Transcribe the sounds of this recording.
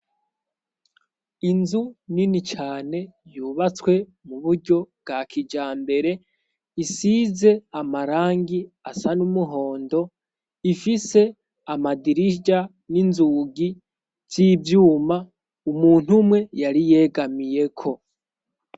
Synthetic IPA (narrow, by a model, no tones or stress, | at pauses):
inzuninit͡ʃaːne̞juβat͡swe̞ | muβuɾɟo̞b̚ɡakʰid͡ʒaːmbe̞ɾe̞ | isize̞amaɾaːŋɡi | asanumuɦo̞ːndo̞ | ifise̞ | amadiɾiɟa | ninzuɡi | z̥iːvjuːma | umuːn̥humwe̞jaɾije̞ːɡamije̞kʰo̞